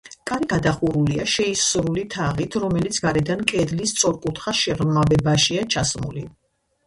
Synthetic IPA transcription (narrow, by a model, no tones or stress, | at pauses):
kʼaɾiɡad̪aχuɾuliaʃɛisɾulit̪ʰaʁit̪ʰɾɔmɛlit̪sʰɡaɾɛd̪ankʼɛd̪list̪sʼɔɾkʼut̪ʰχaʃɛʁmabɛbaʃiat͡ʃʰasmṵli